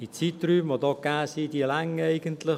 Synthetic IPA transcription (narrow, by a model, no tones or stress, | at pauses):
it͡sit̪ryːmvod̪ɔːɡ̥aːsidilaŋɛɪɡənt̪lɪ